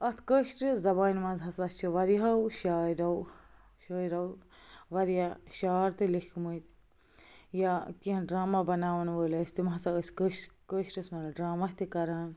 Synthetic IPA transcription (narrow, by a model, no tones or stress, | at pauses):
ɐt̪ʰkəʃʈɨzɐbaːnmɐ̃nzɦɐsɐst͡ʃʰiʋɐɾiɦɐwʃaːɾɐw | ʃəːiɾɐwʋɐɾjaʃaːɾt̪ɨlikkʰməit̪ | jakiɐnɖɾaːmabɐnaːʋɐnʋəːlɐsʲt̪imɦɐsɐəskəʃkəʃʈɨsmɐlɖɾaːmɐst̪ikɐɾaːn